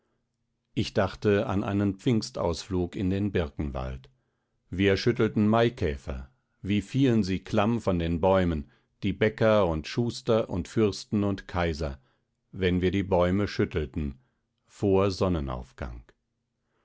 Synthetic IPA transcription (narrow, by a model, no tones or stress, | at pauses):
ʔɪçd̥aχtəa̰nʔa̰ɪnənp͡fɪŋsta̰ʊsfluːkɪndeːnbɪʁkŋ̩va̰lt | viːɐʃʏtl̩tn̩maɪkʰɛːfɐ̰ | viːfiːlənziːkʰl̥amfɔndeːnbɔʏmən | d̥iːbɛkɐʊntʃuːstɐʔʊntfʏʁstn̩ʊntkʰaɪzɐ | vɛnviːɐdiːbɔʏməʃʏtl̩tn̩ | foːɐzɔnəna̰ʊfɡ̥a̰ŋ